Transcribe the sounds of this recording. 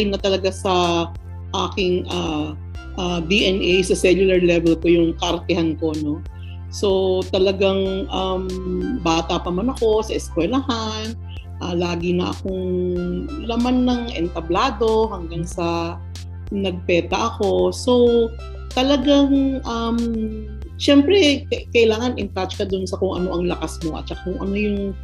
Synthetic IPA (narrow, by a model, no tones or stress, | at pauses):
ɪnɐt̪ɐlɐɡasɐ | ʔaːkɪŋʔaː | ʔad̪iʔɛnʔɛjsɐsɛlʊlɐɹlɛvɛlko̞jʊŋkɐʔɐɾt̪ɛhanko̞no̞ | so̞t̪ɐlɐɡaŋʔɐmbaːt̪ɐpɐmɐnɐko̞sɐʔɛskwɛlɐhan | ʔalaːɡɪnɐʔɐ̰koŋ | lɐmanːɐŋʔɛ̰nt̪ɐblaːd̪o̞ɦɐŋɡaŋsɐ | nɐɡ̚pɛːt̪ɐʔɐko̞so̞ | t̪ɐlɐɡaŋʔam | ʃɛmpɾɛkɐkɐʔɪlaːŋɐnʔɪnt̪att͡ʃkɐd̪ʊnsɐkʊŋʔɐ̰no̞ʔɐŋlɐkasmo̞ʔɐ̰t̪̚t͡ʃɐkakʊŋɐ̰no̞jʊŋ